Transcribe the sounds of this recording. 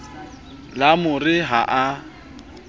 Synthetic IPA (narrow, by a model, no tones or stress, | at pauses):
lamʊrɪɦaʔa